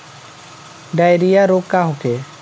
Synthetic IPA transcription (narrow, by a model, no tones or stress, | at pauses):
ɖaːjɾijaɾoːkkːaɦoke